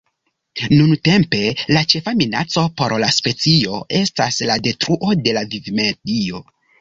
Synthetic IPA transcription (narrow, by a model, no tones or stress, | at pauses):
nunte̞mpe̞lat͡ʃe̞famina̰t͡so̞po̞ɾlaspe̞t͡sio̞e̞staslade̞tɾuʔo̞de̞lavivmedio̞